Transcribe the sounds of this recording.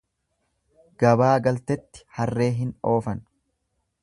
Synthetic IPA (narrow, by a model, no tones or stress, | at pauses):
ɡ̥ɐbaːɡɐlt̪ɛt̪ːɪ̥hɐrːe̞ːɦɪno̞ːfɐn